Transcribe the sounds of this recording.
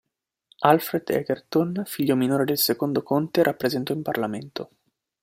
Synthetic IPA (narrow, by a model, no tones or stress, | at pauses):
alfɾed̪ɛ̰ɡert̪onfiʎːominoːɾed̪elsekond̪okont̪eɾʔapːɾezɛnt̪oimparlament̪o